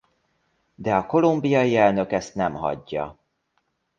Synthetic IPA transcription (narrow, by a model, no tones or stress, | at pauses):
d̪ɛɒko̞lumbijɒjiɛlnø̞kɛst̪nɛmɦɒ̰ɟːɒ̰